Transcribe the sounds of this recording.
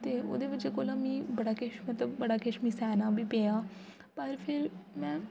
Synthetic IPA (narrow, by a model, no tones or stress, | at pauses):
t̪eːo̰ːd̪eːbɪd͡ʒeːkoːlãːmĩːbəɽaːkɪʃmət̪ləbːəɽaːkɪʃmĩːsɛːnãːbʱiːpeːjaː | pəɾpʰɪɾmɛ̃ː